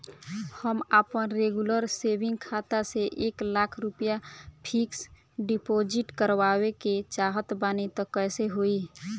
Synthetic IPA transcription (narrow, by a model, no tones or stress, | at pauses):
həmapənɾeɡuləɾsebĩŋɡkʰat̪aseʔeklakʰɾupəjapʰiks | ɖipod͡ʒiʈkəɾʋaweket͡ʃaɦət̪banit̪ɔkəːseɦoi